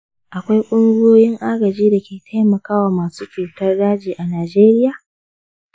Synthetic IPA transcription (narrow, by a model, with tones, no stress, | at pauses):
ʔa˨kʷa˦jkʷʼʊ˦ŋɡʊ˦jjoː˦jɪ˦ŋʔaː˦ɡɐ˨d͡ʒiː˦da˨kʲeː˨tʰa˦jmɐ˨kaː˦waː˨maː˨suː˦t͡ʃuː˨tɐ˦rdaː˦d͡ʒiː˨ʔa˨naː˨d͡ʒeː˦ɾɪ˦jaː˨